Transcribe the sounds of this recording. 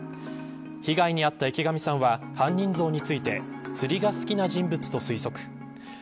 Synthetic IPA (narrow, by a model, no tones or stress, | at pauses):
çiɡaiɲ̟iat̪ːaekʲiɡamʲisãβa | hãɲ̟ːĩnd͡zo̞ːɲ̟it͡sɨit̪e̞t͡sɨɾʲiɡasɨ̥kʲinaʑĩmbɯ̟t͡sɨ̥t̪o̞sɨiso̞kɯ̥